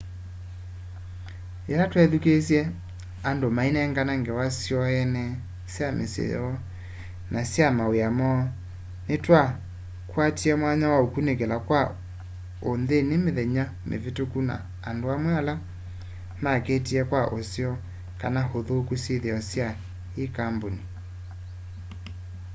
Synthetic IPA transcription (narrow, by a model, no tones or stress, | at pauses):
elatwɛðukesjɛ | andomainɛŋɡanaŋɡɛwasjɔɛnɛ | sjamʔḛsḛɔ | nʔasjamaweamɔ | netwa | kwatiɛmwaɲawaokunekelakwa | onðenemeðɛɲa | mʔḛvetokuna̰ːndoamwɛala | maketiɛkwaʔosjɔ | kanahoðokuseðeɔsja | ekamboni